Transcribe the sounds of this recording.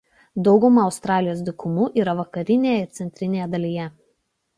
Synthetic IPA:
d̪ɒʊɡʊmɐɒʊst̪ɾɑːlʲɪjoːs̬d̪ʲɪkʊmuːʔiːɾɐʋɐkɐɾʲɪnʲeːjɛɪɾt̪sʲɛnʲt̪ʲɾʲɪnʲeːjɛd̪ɐlʲijɛ

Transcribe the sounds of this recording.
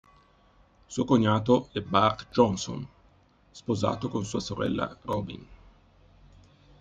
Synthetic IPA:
suokoɲːaːt̪̬oɛbarkd͡ʒɔnso̰n | spoza̰ːt̪okonsuːasoɾɛ̰lːa̰rɔːbḭn

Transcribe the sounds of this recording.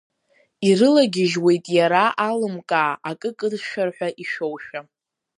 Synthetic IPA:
irɨlaɡʲɪʒwe̞jtʼjaɾaʔalɨmkʼaːʔakʼɨkʼɨdʃᶣarħʷᶣaʔiʃowʃᶣa

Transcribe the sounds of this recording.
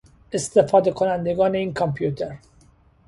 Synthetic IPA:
est̪ʰefɒːd̪ekʰonænd̪eɡɒːneiːnkʰɒmpʰjuːt̪ʰeɾ

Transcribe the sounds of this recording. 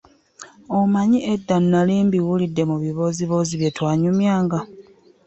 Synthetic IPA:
omaɲiedːanːaliːmbiwulidːe̞muβiβo̞ːziβoːziβjetwaːɲumjaːŋɡa

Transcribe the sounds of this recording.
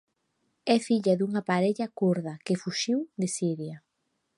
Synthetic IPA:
ɛfiʎɐðuŋɐpaɾeʎɐkuɾðɐkefuʃiwðesiɾja

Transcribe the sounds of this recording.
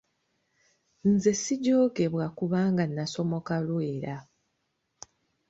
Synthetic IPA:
nze̞siɟo̞ːke̞βwakuβaːŋɡanːaso̞mo̞kalweːɾa

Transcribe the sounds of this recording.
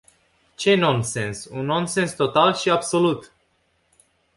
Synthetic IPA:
t͡ʃe̞no̞nse̞nsunːo̞nse̞nst̪o̞t̪alʃiabso̞lut̪

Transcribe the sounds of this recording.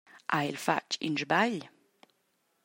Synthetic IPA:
ʔaelfa̰t͡ʃḭnʒbaʎ

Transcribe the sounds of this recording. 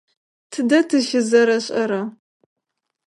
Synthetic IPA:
tʰɨdɐtʰɨʃɪzɐɾɐɕʼɐɾɐ

